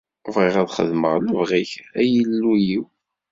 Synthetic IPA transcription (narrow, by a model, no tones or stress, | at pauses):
vʁiʁæðχə̰ðməʁləvʁiçæjəlːujiw